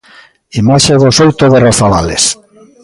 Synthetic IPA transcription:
imaʃeðosowt̪oɣeɾoθaβa̰lḛs

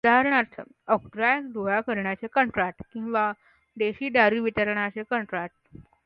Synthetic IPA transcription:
ud̪aɦaɾɳaɾt͡sə̰ | əkʈɾajəkd̪ojakəɾɳjat͡sekəɳʈɾaʈkĩw̃ʋa | d̪eɕiːɖaɾiːʋit̪əɾɳ̃at͡ɕekəɳʈɾaʈ̚

